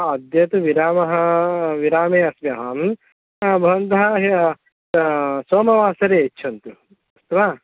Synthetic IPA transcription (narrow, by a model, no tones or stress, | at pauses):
ɐd̪jɐt̪uʋiɾaːmɐɦɐʋiɾaːmeːɐsʋjɐɦɐm | bʱɐʋɐnt̪ɐɦɐɦ | soːmɐʋaːsɐɾeetːt͡ʃʰɐnt̪u | ɐst̪ɐʋaː